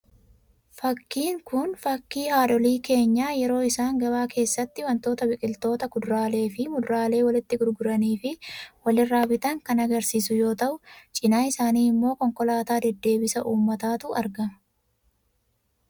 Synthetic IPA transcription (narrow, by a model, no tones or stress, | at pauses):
fɐkːiːŋkʊnfɐkːiːhaːᶑɔliːke̞ːɲːaːjɛɾo̞ːɪsaːŋɡɐbaːkʰe̞ːsːɐt̪ːɪwɐnt̪o̞ːt̪ɐbɪkʼɪlt̪o̞ːt̪ɐɡʊd̪ʊɾaːle̞ːfɪmʊd̪ɾaːle̞ːwɐlɪt̪ːɪɡʊɾɡʊɾɐniːfɪwɐlɪrːaːwɪt̪ɐŋkɐnɐɡɐɾsiːsʊjo̞ːt̪ɐʔʊt͡ʃʼɪnaːɪsaːniːɪmːo̞ːkɔŋkɔlaːt̪aːd̪ɛd̪ːe̞ːbɪsɐʔuːmːɐt̪aːt̪ʊɐɾɡɐmɐ̥